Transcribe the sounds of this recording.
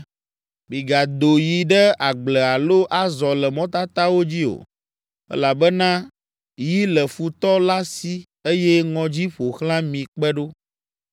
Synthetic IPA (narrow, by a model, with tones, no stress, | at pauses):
bĩ˨ɡa˨d̪o˨ji˨ɖɛ˦a˨ɡ͡blɛ˨a˨lo˦ʔa˦zɔ˨lɛ˨mɔ̃˦t̪a˦t̪a˦wo˦d͡ʑi˦o̰˨ | ɛ̰˦la˨bɛ˦nã˦ | ji˦lɛ˨fu˨t̪ɔ˦la˦si˦ | e˦jɛ˦ŋɔ̃˨d͡ʑi˦ɸo˨xlã˦mĩ˨k͡pɛ˦ɖo˦